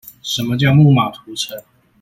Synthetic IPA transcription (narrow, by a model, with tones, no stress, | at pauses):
ʂə˧˥nmə˧t͡ɕjɑ˥˧ʊmu˥˩ma˨˩t̪ʰu˨˧˥t͡sʰə˨˧˥ŋ